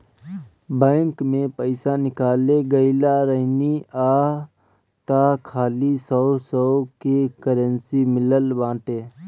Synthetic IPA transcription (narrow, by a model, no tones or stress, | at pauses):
bɛ̃ːŋkmẽpəɪsanɪkaːleɡəɪlaɾəniaː | t̪akʰaːlisəʊsəʊkekəɾənsimɪləlbãːʈeː